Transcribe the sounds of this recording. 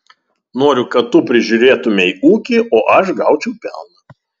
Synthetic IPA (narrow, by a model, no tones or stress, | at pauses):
noːɾʲʊkɐt̪t̪ːʊpʲɾʲɪʒʲʊɾʲeːt̪ʊmʲɛiːuːkʲiʔoːʔɐʃɡɑˑʊt͡ʃʲɛʊpʲæ̰lˠnɐ